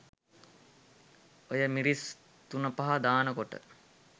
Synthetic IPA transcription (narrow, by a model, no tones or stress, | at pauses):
ojəmiɾis | t̪unəpɐɦad̪aːnəkoʈə̰